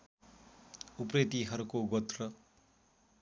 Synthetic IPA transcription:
upret̪iɦʌɾukoɡʌt̪rʌ

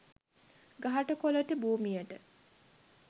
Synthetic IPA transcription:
ɡaɦɐʈəkoləʈəbuːmijəʈə

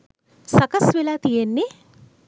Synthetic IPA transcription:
sɐkɐsʋelat̪ijenːi

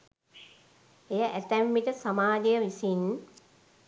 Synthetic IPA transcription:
ejaʔæt̪æmːiʈəsamaːd͡ʒejəʋisin

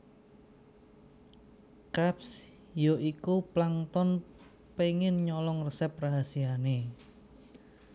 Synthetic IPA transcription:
kɾaps | joʔikuplaŋt̪ɔn | peŋɪnɲɔlɔŋrəsɛpraɦasiane

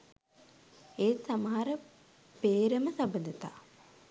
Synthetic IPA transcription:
eːsaməɦaɾə | peːɾəməsabənd̪ət̪a̰ː

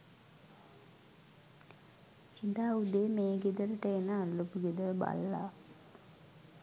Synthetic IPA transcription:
hid̪aːud̪eːmeːɡed̪ələʈəenəːllupuɡed̪ələba̰lːa̰

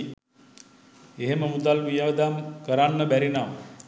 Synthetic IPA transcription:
eɦeməmud̪alʋijəd̪amkəɾanːəbæɾinam

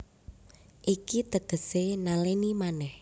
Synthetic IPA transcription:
ʔikit̪əɡ̥ə̤senalenimanɛh

